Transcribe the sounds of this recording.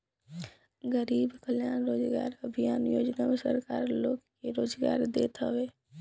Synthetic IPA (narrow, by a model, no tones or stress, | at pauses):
ɡəɾiːbkəljaːnɾoːd͡ʒɡa̰ːɾəbʱijaːnjoːd͡ʒnamesə̰ɾkaːɾloːɡkeɾoːd͡ʒɡa̰ːɾd̪ḛːt̪ʰəʋeː